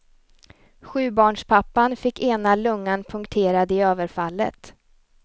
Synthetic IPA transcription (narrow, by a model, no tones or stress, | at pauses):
ɧʉ̟ːbɑːɳʂpʰapːanfɪkːeːnalɵŋːanpʰɵŋkt̪ʰeːɾad̪əɪøːvəɾfalːə̰t̪